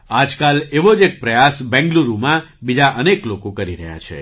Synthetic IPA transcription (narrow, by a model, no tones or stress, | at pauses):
ad͡ʒkaleʋod͡ʒek̚pɾəjasbɛ̃ŋɡluɾumãbid͡ʒaʔəneklokokəɾiɾəɦja̰t͡ʃʰḛ